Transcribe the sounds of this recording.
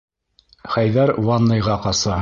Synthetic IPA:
χæjðæɾwɑnːɤ̆jʁɑqɑsɑ

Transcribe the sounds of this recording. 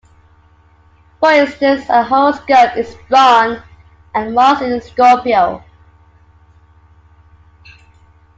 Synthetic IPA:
fəɹɪ̃nstə̃nsəɦoskɜtɪzbɔn | ə̃nlɔsɪ̃nskɔˑpiəʊ

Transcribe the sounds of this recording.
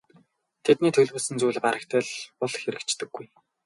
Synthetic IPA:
t̪ʰet̪niːt̪ʰɵɮwɵːsɘ̆nt͡sujɮpaɾə̆kt̪ʰæːɮpɔɮxeɾɘ̆kt͡ɕt̪ɘ̆ɡːuj

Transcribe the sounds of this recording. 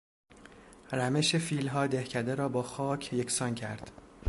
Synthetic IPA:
ræme̞ʃefiːlɦɒːd̪e̞hcʰæd̪eɾɒːbɒːxɒːcʰjekʰsɒnkcʰæɾd̪̥

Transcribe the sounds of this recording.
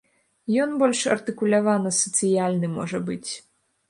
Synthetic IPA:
jɔnbɔlʲʂɐ̰rt̪ɨkulʲavanɐsɐt̪sɨjalʲnɨmɔʐɐbɨt͡sʲ

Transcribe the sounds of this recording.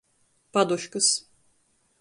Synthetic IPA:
pad̪uʃkɯs

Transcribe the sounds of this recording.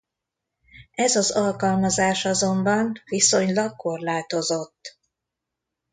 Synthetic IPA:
ɛzɒzɒlkɒlmɒzaːʃɒzo̞mbɒnviso̞ɲlɒɡ̚ko̞rlaːt̪o̞zot̪ː

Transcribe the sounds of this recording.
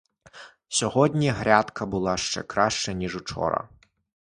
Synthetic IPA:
sʲɔɦɔdʲnʲiɦɾʲat̪kɐbʊlˠɑʃt͡ʃɛ̰kɾaʃt͡ʃɛnʲiʐʊt͡ʃɔ̰ɾɐ̰

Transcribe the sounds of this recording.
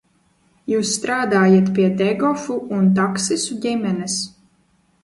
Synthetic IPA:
juːsːt̪ɾaːd̪aːjat̪pʲiɛd̪ɛɡɔfuunt̪̬aksisuɟʲimʲɛnɛs

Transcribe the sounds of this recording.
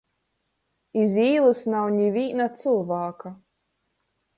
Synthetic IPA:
iziːlˠɨsnawɲivʲiːnat̪sɨlˠvaːka

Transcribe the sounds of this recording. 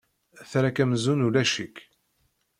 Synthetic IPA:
θɾakæmzunulæʃikː

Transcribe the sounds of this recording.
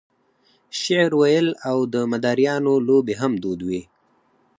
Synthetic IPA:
ʃɪʕɾwajəlawd̪əmad̪aɾjɑnolobeɦamd̪od̪wi

